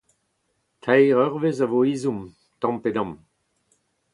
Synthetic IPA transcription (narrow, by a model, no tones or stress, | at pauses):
tʰajʁœʁvezavoiːzum | t̪ɑ̃mped̪ɑ̃m